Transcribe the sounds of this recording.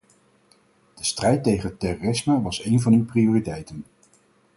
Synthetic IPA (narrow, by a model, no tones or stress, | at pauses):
d̥əstrɛjtːejχənətɛroːrɪsmaʋɑsejnvɑnywprioːritɛjtən